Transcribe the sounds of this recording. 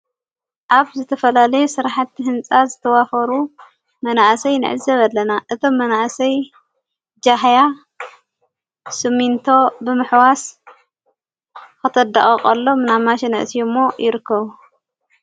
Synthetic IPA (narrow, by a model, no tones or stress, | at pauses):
ʔaβzɨt̪ʰɐfɐlalɐjusɨɾaħat̪ʰːiɦɨnt͡sʼazɨt̪ʰɐwafɐɾu | mɐnaʔsɐjnɨ̰ʕɨ̰zɐβɐlːɐnaʔɨt̪ʰo̞mːɐnaʔsɐj | d͡ʒaɦja | sɨmint̪ʰo̞bɨmɨħwas | kɐt̪ʰɐd̪a̰χʼɐχʼɐlːo̞mɨnamaʃɛnɨʔɨsijumːo̞jɪɾɨkʰːɐβu